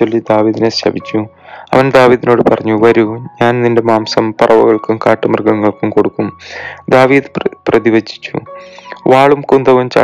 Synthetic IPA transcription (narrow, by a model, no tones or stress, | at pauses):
olːid̪aːʋiːðineɕɐ̰bit͡ɕːu | ɐ̰ʋɐnd̪aːʋiːðino̞ːɽɨpɐrɐɲːuʋɐɾuɲaːnninde̞maːmsɐmpɐrʔɐʋɐɣɐɭkumkaːʈːɨmɐrɡɐŋːɐɭkumko̞ɽukːumd̪aːʋiːðɨpprɐðiʋɐd͡ʑi̥t͡ɕːṵʋaːɭumkund̪ɐʋumt͡ɕa̰ː